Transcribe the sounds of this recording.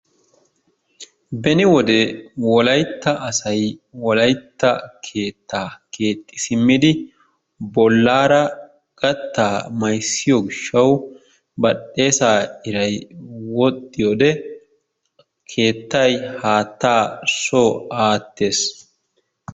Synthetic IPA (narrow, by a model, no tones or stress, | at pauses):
bɛnɪwɔd̪ɛwɔlɐjt̪ːɐʔɐsɐjwɔlɐjt̪ːɐkʰe̞ːt̪ːaːkʰe̞ːt̪ʼːɪ̥sɪmːɪd̪ɪ | bɔlːaːɾɐ | ɡ̥ɐt̪ːaːmɐjsːɪjɔɡɪʃːɐw | bɐɗːe̞ːsaːɪɾɐjwɔt̪ʼːɪjoːd̪ɛ | kʰe̞ːt̪ːɐjhaːt̪ːaːsoːaːt̪ːe̞ːs